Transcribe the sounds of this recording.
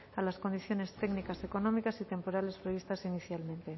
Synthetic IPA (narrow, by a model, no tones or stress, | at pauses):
alasko̞nd̪iθjo̞ne̞st̪eɡnikase̞ko̞nomikasit̪e̞mpo̞ɾale̞spɾeβist̪asiniθjalmẽ̞nt̪e̞